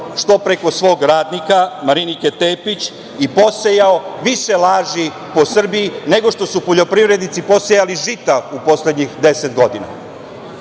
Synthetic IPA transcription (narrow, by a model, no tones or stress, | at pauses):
ʂt̪o̞pɾe̞ko̞sʋo̞ːɡɾaːd̪nikamaɾiniket̪eːpit͡ɕ | ipo̞sejaoʋiʃelaːʒi | po̞sr̩biine̞ɡo̞ʃt̪o̞supo̞ʎo̞pɾivɾe̞d̪nit̪sipo̞sejaliʒit̪aupo̞sle̞d̪ɲixd̪e̞set̪ɡo̞d̪ina̰